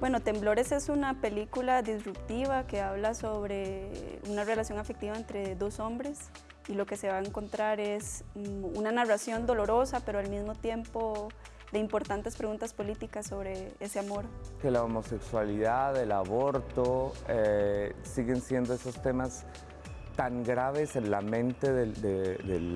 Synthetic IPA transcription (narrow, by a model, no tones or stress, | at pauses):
bwe̞no̞t̪e̞mblo̞ɾe̞se̞sunape̞likulaðizrupt̪iβake̞aβlaso̞βɾeunare̞lasjo̞ŋafek̚t̪iβaent̪ɾe̞ðo̞so̞mbɾe̞s | ilo̞ke̞se̞βaeŋko̞nt̪ɾaɾe̞sunanarasjo̞nd̪o̞lo̞ɾo̞sape̞ɾoalmizmo̞t̪je̞mpo̞ | d̪e̞impo̞ɾt̪ant̪e̞spɾe̞ɣunt̪aspo̞lit̪ikasːo̞βɾeeseamo̞ɾke̞laomo̞se̞kswaliðaðelaβo̞ɾt̪oesiɣe̞nsje̞nd̪o̞esost̪e̞mas | t̪aŋɡɾaβe̞se̞nlamẽ̞nt̪e̞ðed̪eðel